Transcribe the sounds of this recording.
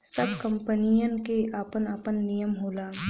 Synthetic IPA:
sɐbkɐ̃mpənijənkeʔaːpənaːpənːijəmɦoːlaː

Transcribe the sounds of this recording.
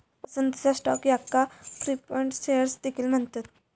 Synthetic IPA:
pəsənd̪t͡ɕasʈɔ̰kjakːafɾipəɳʈsejəɾsd̪ekʰiːlm̤əɳt̪at̪

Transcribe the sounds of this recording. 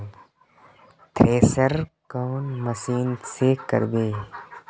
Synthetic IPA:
t̪ʰɾeːsəɾkoːnməsiːnsekə̰ɾbeː

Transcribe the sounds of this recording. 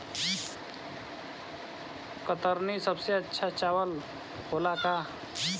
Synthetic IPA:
kət̪əɾnisəbseətːʃʰat͡ʃawəl | holaka

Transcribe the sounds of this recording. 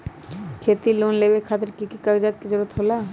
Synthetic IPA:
kʰet̪ilonlebekʰat̪eɾkikikakd͡ʒat̪̚kid͡ʒoɾot̪ɦola

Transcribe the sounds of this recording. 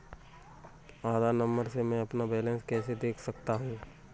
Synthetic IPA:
aːd̪ʱaːɾnɐ̃mbəɾsemɛ̃ɐpnabɛːlẽnskɛːsed̪eːkʰsɐkt̪aɦũ

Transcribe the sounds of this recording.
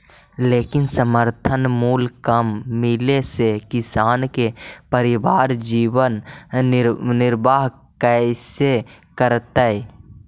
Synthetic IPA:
leːkɪnsəməɾt̪ʰənmuːlkəmːɪlesekɪsaːnkepəɾɪbaːɾd͡ʒiːwən | nɪɾbaːɦ | kəsekəɾt̪ə

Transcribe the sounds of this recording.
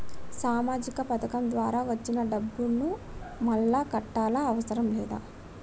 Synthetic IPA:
saːmaːd͡ʒikɐpɐt̪ʰɐkɐmd̪ʋaːɾaːʋɐt͡ʃːinɐɖɐbːunnu | mɐlːaːkɐʈːaːlaɐʋɐsɐɾɐmlɛːd̪a̰ː

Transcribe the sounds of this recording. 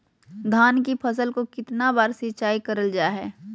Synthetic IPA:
d̪ʱaːnkipʰɐs̬əlkokɪt̪nabaːɾsɪt͡ʃaːikɐɾəld͡ʒaːɦɛː

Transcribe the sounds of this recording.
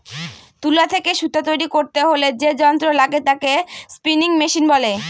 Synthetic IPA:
t̪ulat̪ʰekeʃut̪ːat̪ojɾikoɾt̪eɦoled͡ʑed͡ʑɔnt̪ɾolaɡet̪akespiniŋmeʃinbɔle

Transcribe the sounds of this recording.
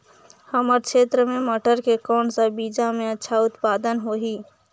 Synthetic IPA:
həməɾkt͡ʃʰeːt̪ɾəmeməʈəɾkekɔːnsəbid͡ʒameətːʃʰaʊt̪pad̪ənɦoɦi

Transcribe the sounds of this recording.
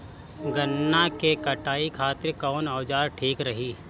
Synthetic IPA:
ɡənːakekɐʈaːikʰaːt̪ɪɾkɔːnaːd͡ʒaːɾʈʰiːkɾɐɦiː

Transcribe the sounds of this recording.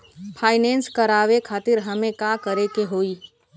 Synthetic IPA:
pʰaːɪnẽːnskɐɾaːʋekʰaːt̪ɪɾɦɐmẽkaːkəɾekeɦoːiː

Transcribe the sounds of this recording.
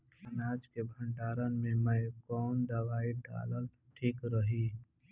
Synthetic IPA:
ənaːd͡ʒkebʱə̃ɳʈaːɾənmẽməjkɔːnd̪əʋaːiɖa̰ːləl | ʈʰiːkɾəɦiː

